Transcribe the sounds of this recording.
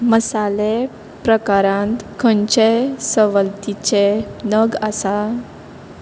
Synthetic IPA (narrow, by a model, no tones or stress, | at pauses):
məsale | pɾəkaɾãnt̪kʰəɲt͡ɕesəʋəlt̪it͡ɕenəɡasa